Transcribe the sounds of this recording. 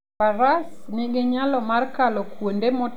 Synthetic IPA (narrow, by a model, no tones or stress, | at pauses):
paɾasniɡɪɲalɔmarkalɔkwondemɔ